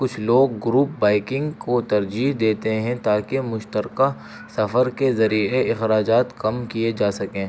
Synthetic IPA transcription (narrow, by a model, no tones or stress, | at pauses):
kʊt͡ʃʰloːɡːɾuːp̚baːɪkɪ̃ŋɡkot̪ɐɾd͡ʒiːɦd̪eːt̪eɦɛ̃t̪aːkemʊʃt̪əɾka | sɐfəɾkezɐɾieɪxɾaːd͡ʒaːt̪kɐmkied͡ʒaːsɐkẽː